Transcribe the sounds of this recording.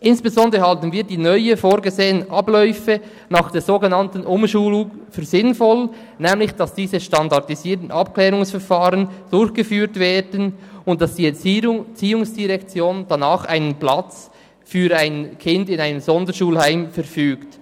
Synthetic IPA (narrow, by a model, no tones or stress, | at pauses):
ʔɪnsb̥ezɔndəɾəhɑltən̩viːdiːnœʏəfoːɾɡəzeːənʔɑblœʏfə | nɑːχd̥eːɾzoːɡenɑntən̩ʔʊmʃuːlʊŋfyːɾzɪnfɔl | nɛːmlɪçd̥ɑsd̥iːzəʃtɑndɑʁtiziːtn̩ʔɑp̚klɛːɾʊŋsfɛɾfaːʁənd̥ʊɾçɡ̥əfyːɾtveːdənʊnt̚d̥ɑsd̥iːt͡siːʊŋsd̥iʁɛkt͡sjoːnd̥anaːχa̰ɪnənplɑt͡s | fyːɾaɪnkʰɪndɪnaɪnəmzɔndəʃuːlhaɪmfɛɾfyːkt